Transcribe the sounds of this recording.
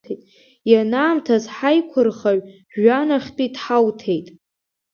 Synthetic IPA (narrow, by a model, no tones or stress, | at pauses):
etʼ | janaːmtʰazħajkʷʰʊrχaɥ | ʒanaχʲtʼidħawtʰe̞jtʼ